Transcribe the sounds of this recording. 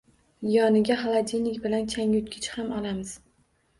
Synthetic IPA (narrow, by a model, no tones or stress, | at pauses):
jɒnɪɡʲaɦalˠad̪ʲinɪkʲbɪlankʲʰaŋʊt̪kʲɪt͡ʃhamɒlˠamɪz̥